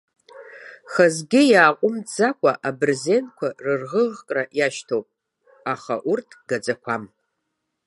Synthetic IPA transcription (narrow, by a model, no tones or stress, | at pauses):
χazɡʲɪjaːqʷʼʊmd͡zakʷʰaʔabɨrzentkʷʰarɨrʁəʁkʼrajaʃtʰowpʼ | aχaʔurtʰɡ̥ad͡zʼakʷʰam